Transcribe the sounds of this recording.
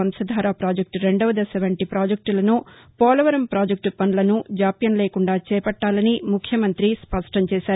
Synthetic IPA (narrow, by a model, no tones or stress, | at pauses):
ɐmsɐd̪ʱaːɾaːpɾaːd͡ʒek̚ʈɾe̞ɳɖɐʋɐd̪ɐseʋɐɳʈipɾaːd͡ʒek̚ʈlɐnu | pɔːlɐʋɐɾɐmpɾaːd͡ʒek̚ʈpɐnlɐnud͡ʒaːpjɐnleːkuɳɖaːt͡ʃɛːpɐʈːaːlɐnimukʰjɐmɐnt̪ɾispɐʂʈɐmt͡ʃɛːsaːɾu